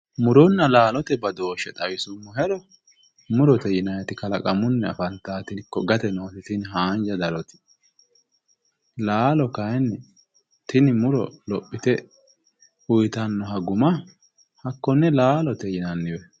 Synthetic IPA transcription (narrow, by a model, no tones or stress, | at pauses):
mʊɾɔnːɐlaːlɔt̪ɛbɐd̪o̞ːʃɛt̪ʼɐjɪsʊmːɔɦɛɾɔ | mʊɾɔt̪ɛjɪnɐjɛt̪ɪkɐlɐkʼɐmʊnːɛɐ̰fɐnt̪ːaːt̪ɪkːɔɡɐt̪ɛnoːt̪ɪt̪ɪnɦaːnd͡ʒɐd̪ɐlɔt̪ɪ̥ | laːlɔkɐjɛn | t̪ʰɪnɪmʊɾɔ̰lɔpʼːɪt̪ɛ | ʊjt̪ɐnːɔɦɐɡʊmɐ | hɐkːɔnːɛlaːlɔt̪ɛjɪnɐnːɪwɛ